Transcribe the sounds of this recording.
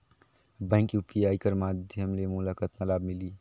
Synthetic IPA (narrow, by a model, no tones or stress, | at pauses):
bə̃ɪŋkjupijaːjkəɾmad̪ʱjəmlemulakət̪mɐlaːbmɪliː